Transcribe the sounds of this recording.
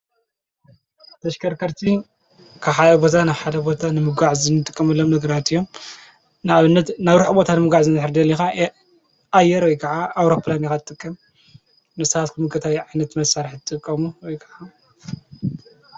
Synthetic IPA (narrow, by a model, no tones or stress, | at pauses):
t̪ʰɐʃkʰɐɾkʰɐɾt̪ʰi | kʰaβħad̪ɐbo̞t̪ʰanaβħad̪ɐbo̞t̪ʰanɨmɨɡʷaʕzɨnːɨt̪ʼɨkʼːɐmɐlːomnɐɡɐɾat̪ɨjːo̞m | nɨaβɨnːɐt̪naβɾuħbo̞t̪ʰanɨmɨɡʷaʕzɨnɨħɨɾd̪ɐlːixa | ʔajːɛɾwɔjkʰɐʕaawɾopʰlanixat̪ʰɨt̪ʼɨkʼːɐm | nɨsɐβat̪kʰɨmɨkʰʼːɐt̪ʰajʕajnɐt̪mɐsaɾɨħɨt̪ʼɨkʼːɐmuwɔjkʰɐʕa